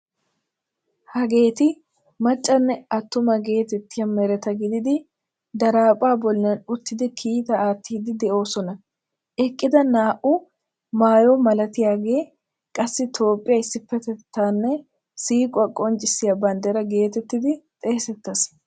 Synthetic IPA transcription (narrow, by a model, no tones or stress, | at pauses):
hɐɡe̞ːt̪ɪ | mɐt͡ʃʼːɐnːɛɐt̪ːʊmɐɡe̞ːt̪ɛt̪ːɪjɐmɛɾɛt̪ɐɡɪd̪ɪd̪ɪ | d̪ɐɾaːpʼaːbɔlnɐnʊt̪ːɪd̪ɪkʰiːt̪ɐaːt̪ʰːiːd̪ɪd̪ɛʔo̞ːsɔnɐ | ʔɛkʼːɪd̪ɐnaːʔʊ | maːjomɐlɐt̪ɪjaːɡe̞ː | kʼɐsːɪt̪ʰo̞ːpʼːɪjɐɪsːɪpːɛt̪ɛt̪ʰːaːnːɛ | siːkʼʊɐkʼɔnt͡ʃʼɪsːɪjɐbɐnd̪ɛɾɐɡe̞ːt̪ɛt̪ːɪd̪ɪt̪ʼeːsɛt̪ːɐs